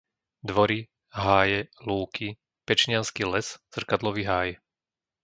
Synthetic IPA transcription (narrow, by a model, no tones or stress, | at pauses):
d̪ʋɔɾi | ɦaːjɛluːkʰi | pɛt͡ʃɲɪanskilɛsz̥r̩kad̪lɔʋiɦaːj